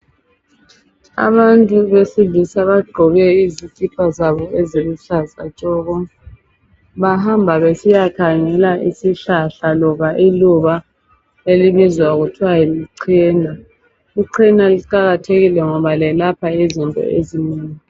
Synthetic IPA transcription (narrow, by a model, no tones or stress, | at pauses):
a̰βantʼuβesivisaβaɡ͡ǃʱɔβɛizitʼipʰazaβɔɛzeɣuɬaza̰t͡ʃʼɔɣɔ | βahambʱaβesijakʰaŋɛlaʔisiɬaɬalɔβaʔiluβa | eliβizwaɣutʰwajiliǀʰɛːnʱa | iǀʰɛnaliǃaɣatʰeɣilɛŋɔβalɛlapʰaizintʼɔ̰ḛzineŋi